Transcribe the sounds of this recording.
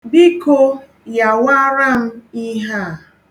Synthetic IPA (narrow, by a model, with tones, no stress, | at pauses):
bi˦ko˦ | ja˨wa˦ɾa˦m̩˦i˦ɦa˦˨